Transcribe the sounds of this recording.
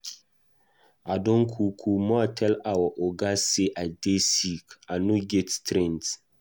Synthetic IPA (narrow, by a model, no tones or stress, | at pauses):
adõnkʰukʰumɔatʰɛlawaʔoɡaseʔadesikanũɡɛttɾɛ̃nt